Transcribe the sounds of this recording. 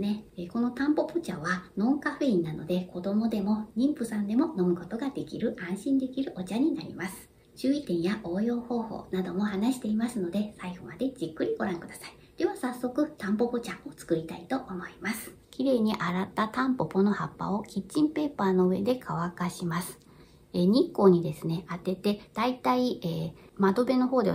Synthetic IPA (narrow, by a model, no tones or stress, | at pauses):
neeko̞no̞t̪ãmpo̞pot͡ɕaβanõ̞ŋkaɸɯĩnːano̞̰d̪e̞ko̞d̪o̞mo̞d̪e̞mo̞ɲ̟ʲĩmpɯ̟sãnd̪e̞mo̞no̞mɯ̟ko̞t̪o̞ɡad̪e̞kʲiɾɯ̟ʔãɰ̃ɕĩnd̪e̞kʲiɾɯ̟ʔo̞t͡ɕaɲ̟inaɾʲḭmasɨ̥ | t͡ɕɨːit̪ẽ̞ɰ̃jaʔo̞ːjo̞ːho̞ːho̞̰ːnad̪o̞mo̞hanaɕi̥t̪e̞imasɨno̞d̪e̞saiɡ̥o̞mad̪e̞d͡ʑikːɯ̟ɾʲiɡo̞ɾãŋkɯ̟d̪asai̥ | d̪̥e̞βasasːo̞kɯ̟t̪ãmpo̞po̞t͡ɕao̞t͡sɨ̥kɯ̟ɾʲit̪ait̪o̞ʔːmo̞imasɨ̥ | kʲiɾe̞ːɲ̟iʔaɾat̪ːat̪ãmpo̞po̞no̞ha̰pːa̰o̞kʲit͡ɕːĩmpe̞ːpaːno̞ɯ̟e̞d̪e̞kʰaβakaɕimasɨ̥ | eɲ̟ikːo̞ːɲ̟id̪e̞sɨne̞at̪e̞t̪e̞d̪̥ait̪aieːmad̪o̞be̞no̞ho̞ːd̪e̞